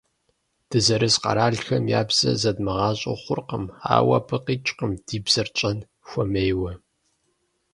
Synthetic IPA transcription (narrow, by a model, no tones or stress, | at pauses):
d̥ɨzɐɾɨsqɑ̰ɾaːɮxɐmja̰ːbz̥ɐ̰zɐdmɨʁɑːɕʼo̰χʷʊrqəma̰ːwɐ̰pʰɨqiːt͡ʃʼqəmd̥iːbz̥ɐrt͡ʃʼɐn | xʷɔmejwɐ